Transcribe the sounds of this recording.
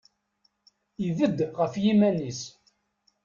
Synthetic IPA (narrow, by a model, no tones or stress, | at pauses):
ivəd̪ʁəfjimænis